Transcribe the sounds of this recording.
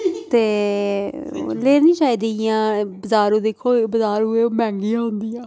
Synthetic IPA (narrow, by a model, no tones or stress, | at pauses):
t̪eː | leːɾnĩːt͡ʃaːiːd̪ijãːbəzaːɾoːd̪eːkʰːoːbəzaːɾɦʊeːoːmɛ̃ːŋɡijãːɦʊnd̪ijãː